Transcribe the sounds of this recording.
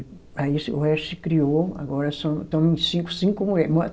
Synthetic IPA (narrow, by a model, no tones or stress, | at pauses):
aisʊɛʃɪkɾioa̰ɡɔɾɐsɐ̃w̃t̪õĩsĩkʊ̥sĩkʊmuɛm